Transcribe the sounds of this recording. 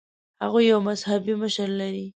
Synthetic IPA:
haɣujːawmazhabiməʃəɾlaɾi

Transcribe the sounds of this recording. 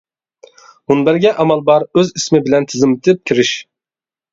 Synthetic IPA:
munbæɾɡʲɛʔɑmɑlˠbɑɾøzismɪbɪlɛnt̪ʰɪzɪmɪt̪ʰɪp̚kʲʰiɾɪʃ

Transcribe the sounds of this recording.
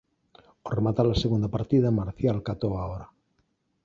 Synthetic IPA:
oremat̪alaseɣund̪apaɾt̪iðamaɾθjalkat̪oaoɾa

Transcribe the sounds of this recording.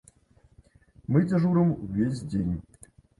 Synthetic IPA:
mɨdʲɐʐuɾəmvʲes̬ʲdʲenʲ

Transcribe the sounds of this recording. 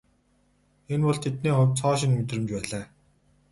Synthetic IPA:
enpɔɮt̪ʰet̪̚niːχʊ̟wʲt͡sʰɔːʃ̬ɪ̆nmet̪rɘ̆mt͡ɕpæːɮaː

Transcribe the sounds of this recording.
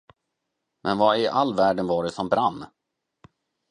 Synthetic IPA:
mʔɛnvaɪʔalːvæːɖənvɑːɖɛsɔmbɾanː

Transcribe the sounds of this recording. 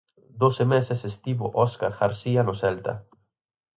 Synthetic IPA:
d̪osemesesest̪iβoʔɔskaɾxaɾsianosɛlt̪a̰

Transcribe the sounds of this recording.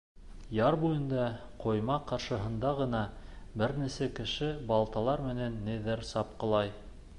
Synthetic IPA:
jɑɾbujɤ̆nd̪ɑqojmɑqɑɾʃɤ̆ɦɤ̆nd̪ɑʁɤ̆nɑbɘɾnisækɘ̆ʃɘbɑlˠt̪ɑlˠɑɾmɘ̆nænːiðɘɾsɑp̚qɤ̆lˠɑj

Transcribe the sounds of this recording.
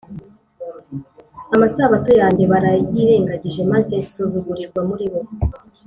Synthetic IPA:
amasaβato̞jaːɲɟe̞βaɾajiɾe̞ːŋɡaɟiʒe̞maze̞suzuɡuɾiɾɡwamuɾiβo̞

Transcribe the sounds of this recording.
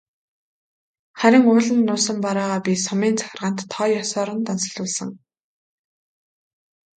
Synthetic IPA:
χæɾʲɪ̆ŋʊːɮə̆nːʊːsə̆mpaɾaːʁaːpʲisɔmiːnt͡sʰḁxʲɪ̆rʁə̆n̥t̪ʰːɔːjɔsɔːɾə̆nt̪ansɞ̆ɮʊːɮsə̆ŋ

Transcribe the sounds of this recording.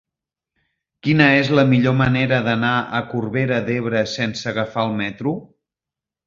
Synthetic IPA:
kinəezləmiʎoməneɾəðənaʔə̰kurβeɾəd̪eβ̞ɾəsensəːɣəfaəlˠmɛt̪ɾu

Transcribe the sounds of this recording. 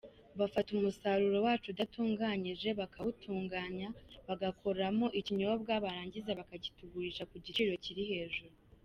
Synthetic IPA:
βafatumusaɾuɾo̞waːt͡ʃudatuːŋɡaːɲiʒe̞βakʰaβutʰuːŋɡaːɲaβaɡakʰo̞ɾamo̞ʔiciɲo̞ːb̚ɡaβaɾaːɲɟizaβakaɟituɡuɾiʃakuɟit͡ʃiɾo̞ciɾihe̞ːʒuɾu

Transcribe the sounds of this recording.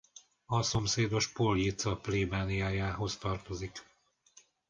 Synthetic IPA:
ɒso̞mseːd̪o̞ʃpoljit̪sɒpleːbaːnijaːjaːɦo̞st̪ɒrt̪o̞zik

